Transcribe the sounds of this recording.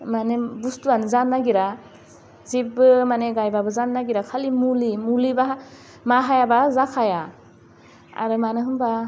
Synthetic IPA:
manebustuanzanːaɡiɾa | zip̚bɯmaneɡajbabɯzanːaɡiɾakʰalimulimuliba | maɦajabazakʰaja | a̰ɾɯmanɯɦɯmba

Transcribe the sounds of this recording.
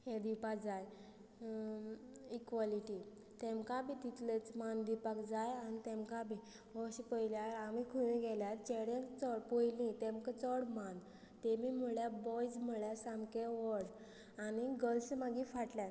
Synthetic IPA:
hed̪ipakd͡zaj | ikʋɔliʈi | t̪ẽmkabit̪it̪let͡smand̪ipakd͡zajanit̪ẽmkabʱi | ʋɔɕipəjljaamikʰunẽɡɛljat̪t͡ɕeɽẽnt͡sɔɽpojlĩt̪ẽmkət͡səɽman | t̪emimuɭjabɔjd͡zmuɭjasamkeʋɔɽ | aniɡəlsmaɡifaʈljat̪

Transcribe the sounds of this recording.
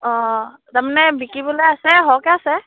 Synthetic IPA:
ɔ̃ | t̪amanɛbikibulɛasɛɦɔkɛasɛ

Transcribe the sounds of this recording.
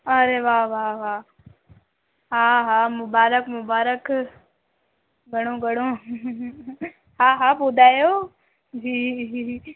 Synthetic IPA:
ɐɾeʋaːʋaːʋaː | ɦaːɦaːmʊbaːɾəkmʊbaːɾək | ɡʱɐɽ̃oːɡʱɐɽ̃o | ɦaːɦaːboːd̪ʱaːjoː | d͡ʒiː

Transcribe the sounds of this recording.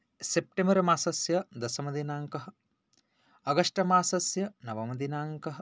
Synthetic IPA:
sep̚ʈembɐɾɐmaːsɐsjɐd̪ɐsɐmɐd̪inaːŋkɐɦɐ | ɐɡɐʂʈɐmaːsɐsjɐnɐʋɐmɐd̪inaːŋkɐɦɐ̆

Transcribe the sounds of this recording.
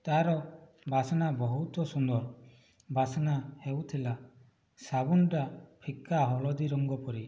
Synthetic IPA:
t̪aɾɔ | bʱasɔnabɔɦut̪ɔsund̪ɔɾ | bʱasɔnahewt̪ʰila | sabunɔʈapʰikːaɦɔlɔd̪iɾɔŋɡɔpɔɾi

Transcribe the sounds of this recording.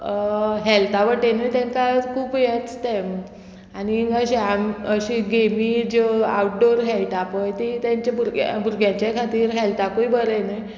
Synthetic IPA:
ɦɛlt̪aʋəʈenəjt̪ɛ̃ŋkakʰuːpjɛ̃t͡st̪em | aniəɕiaməɕiɡemid͡ʑoa̰wʈ̚ɖoɾɦɛjʈapəjt̪it̪jaɲt͡ɕabuɾɡ̰bʱuɾɡjãt͡ɕjakʰat̪iːɾɦɛlt̪akoibʱəɾəjnəj

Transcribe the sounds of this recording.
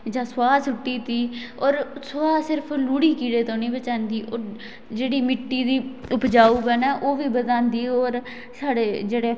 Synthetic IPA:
d͡ʒãːswaːsʊʈːiːt̪iːɔːɾswaːsɪɾpʰluːɽiːkiːɽeːt̪õːnĩːbət͡ʃãːnd̪iːoː | d͡ʒeːɽiːmɪʈːiːd̪iːʊpd͡ʒaːuːbənɛːʔoːʋiːbəd̪ãːnd̪iːɔːɾ | saːɽeːd͡ʒeːɽeː

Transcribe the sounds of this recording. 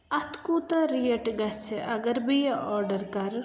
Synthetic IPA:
ɐt̪ʰkuːt̪ɐɾijɐʈɡɐt͡ʃʰʔɐɡɐɾbiɔːɾɖəɾkɐɾ

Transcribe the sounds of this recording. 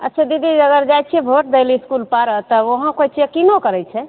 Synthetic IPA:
ə̰tːt͡ʃʰad̪id̪iəɡəɾd͡ʒajt͡ʃʰiɛbʱoʈ̚d̪ejliiskulpaɾət̪ɔoɦə̃kot͡ʃekinokəɾɛjt͡ʃʰɛ

